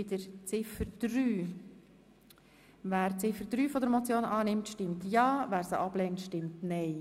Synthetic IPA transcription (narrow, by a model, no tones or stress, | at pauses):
ɪdəɾt͡sɪfəɾd̥ɾyː | væːɾt͡sɪfəɾd̪ɾyːfɔdəɾmɔt͡sjoːnɑːnɪmtʃtɪmtjɑːvæːɾsəʔɑb̥lɛːntʃtɪmtnɛɪ